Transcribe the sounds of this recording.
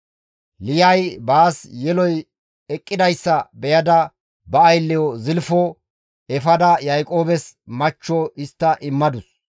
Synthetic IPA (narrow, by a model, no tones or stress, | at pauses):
lɪjɐjbaːsjɛlɔj | ɛkʼːɪd̪ɐjsːɐbɛjɐd̪ɐ | bɐːjlːɪjɔzɪlfɔ | ɛfɐd̪ɐjɐjkʼoːbɛsmɐt͡ʃːɔɪst̪ːɐʔɪmːɐd̪ʊs